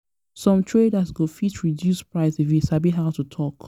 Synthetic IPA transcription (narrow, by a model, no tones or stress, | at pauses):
sɔ̃mtʰɹedasɡofitɹidjuspɹaɪsifisabiɦaʊtutʰɔk